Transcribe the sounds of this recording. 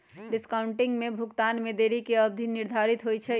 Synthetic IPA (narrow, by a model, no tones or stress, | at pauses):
ɖiskaʊɳʈiŋɡmebʱukt̪anmed̪eɾikeəb̚d̪ʱiniɾd̪ʱaɾit̪ɦojt͡ʃʰɛ